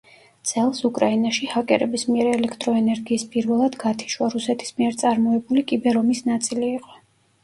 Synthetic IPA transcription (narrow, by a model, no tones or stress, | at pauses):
d̪z̥ɛlˠsukʼɾainaʃihakʼɛ̰ɾɛbismiɛɾɛlɛkʰt̪ʼɾɔɛnɛɾɡiːspʼiɾvɛlˠad̪ɡat̪ʰi̥ʃwaɾusɛt̪ʰi̥smiɛɾt̪sʼaɾmɔɛbulikʼibɛɾɔmisnat̪sʼiliːqʼɔ̥